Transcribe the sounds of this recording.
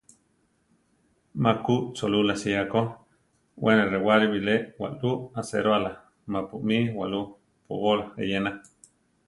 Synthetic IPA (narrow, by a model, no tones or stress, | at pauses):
makuʔt͡solulasiako | wʔenerewaɾiβileʔwa̰ʔluasḛɾoala | mapuʔmiwaʔlu | po̰βolḛjena